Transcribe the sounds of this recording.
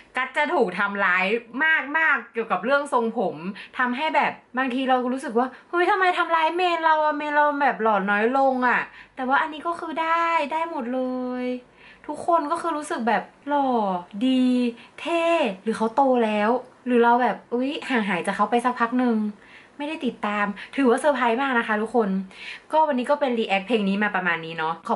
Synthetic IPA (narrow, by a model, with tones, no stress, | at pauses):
ka˦˥t̪̚t͡ɕa˨˩t̪ʰuː˨˩k̚t̪ʰa˧mlaː˦˥jmaː˥˩k̚maː˥˩k̚ːi˨˩əwka˨˩p̚ɾɯ˥˩əŋso˧ŋpʰo˩˦mt̪ʰa˧mɦa˥˩jbɛː˨˩p̚baː˧ŋt̪ʰiː˧ɾa˧wkɾuː˦˥sɯ˨˩k̚waː˥˩ho˦˥jt̪ʰa˧mːa˧jt̪ʰa˧mlaː˦˥jmeː˧nɾa˧wʔa˨˩meː˧nɾa˧wbɛː˨˩p̚lɔː˨˩nɔː˦˥jlo˧ŋʔa˨˩t̪ɛː˨˩waː˥˩ʔa˧nːiː˦˥kɔː˥˩kʰɯː˧da˥˩jdaː˥˩jmo˨˩t̪̚lɤː˧j | t̪ʰu˦˥kʰːo˧nkɔː˥˩kʰɯː˧ɾuː˦˥sɯ˨˩k̚bɛː˨˩p̚lɔː˨˩diː˧t̪ʰeː˥˩ɾɯː˩˦xʰa˦˥wt̪oː˧lɛː˦˥wɾɯː˩˦ɾa˧wbɛː˨˩p̚ʔɤ˦˥jhaː˩˦ŋɦaː˩˦jt͡ɕa˨˩kʰːa˦˥wpa˧jsa˦˥k̚pʰa˦˥k̚nɯ˧ŋ | ma˥˩jda˥˩jt̪i˨˩t̪ːaː˧mt̪ʰɯː˨˩˦waː˥˩sɤː˧˩pʰaː˧˥jmaː˥˩k̚na˦˥kʰa˦˥t̪ʰu˦˥kʰːo˧nkɔː˥˩wa˧nːiː˦˥kɔː˥˩pe˧nɾiː˧ʔɛ˦˥k̚pʰeː˧ŋniː˦˥maː˧pa˧maː˧nːiː˦˥nɔ˦˥kʰa˨˦